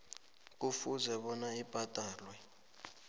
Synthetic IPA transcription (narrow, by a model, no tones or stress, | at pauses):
k̬ʼufuzɛɓɔnaib̥ʼʱatʼaːlwɛ